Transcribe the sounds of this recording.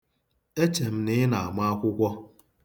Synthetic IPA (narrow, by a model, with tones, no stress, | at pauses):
e˦t͡ʃe˨m̩˦nɪ˦na˨a˨ma˦a˦kʷʊ˦kʷɔ˦